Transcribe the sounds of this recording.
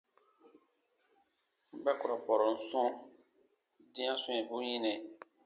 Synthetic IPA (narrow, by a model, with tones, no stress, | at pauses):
m̩˦bɛ˦ku˨ɾɔ˨pɔ˨ɾɔ̃˨n̩˦sɔ̃˦ | dĩ˦ã˦sũ˦ɛ̃˨bu˦jĩ˦nɛ̃˨